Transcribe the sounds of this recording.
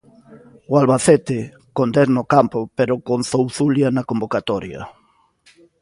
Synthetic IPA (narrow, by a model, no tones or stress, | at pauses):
ʊalβaθet̪ɪ | kond̪eɾnokampʊpeɾokonθowθuljanɐkombokat̪ɔɾjɐ̰